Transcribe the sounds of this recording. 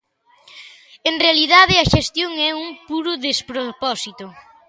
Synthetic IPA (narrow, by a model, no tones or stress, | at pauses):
enrealiðaðɪɐʃest̪joŋɛuŋpuɾʊðespɾopɔsit̪ʊ